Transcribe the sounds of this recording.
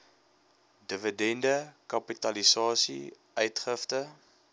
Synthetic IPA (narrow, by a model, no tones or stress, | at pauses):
dəvədɛndəkɐpitɐlisɑːsḭ | œɥtχəftə